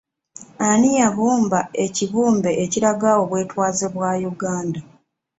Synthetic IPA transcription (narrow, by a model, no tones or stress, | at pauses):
anijaβuːmbae̞ciβuːmbe̞ʔːciɾaɡaːwo̞βwe̞ːtwaːzeβwaːjuɡaːnda